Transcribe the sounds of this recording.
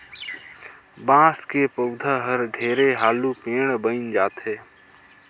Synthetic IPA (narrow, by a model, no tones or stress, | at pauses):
bãːskeːpəʊd̪ʱaːɦəɾɖʱeːɾeːɦaːluːpeːɳbəind͡ʒaːt̪ʰɦeː